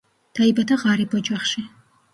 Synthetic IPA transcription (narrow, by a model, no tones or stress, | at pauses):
d̪̥aibat̪ʰaʁaːɾibɔd͡ʒaχʃi